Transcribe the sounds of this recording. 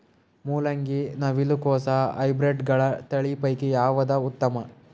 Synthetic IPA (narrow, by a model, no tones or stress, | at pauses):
muːlɐŋɡinɐʋilukɔːsɐɐ̰jbɾeɖɡɐɭɐt̪ɐɭipɐjkijaːʋɐd̪ɐut̪ːɐmɐ